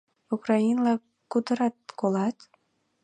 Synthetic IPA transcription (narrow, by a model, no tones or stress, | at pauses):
ukrɑinlɑ | kud̪əɾɑt̪̚kolɑt̪